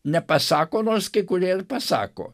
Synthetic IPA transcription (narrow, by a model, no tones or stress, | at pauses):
nʲɛpɐsɑːkoːnoːrskɐɪkʊɾʲeːrpɐsɑ̰ːko̰ː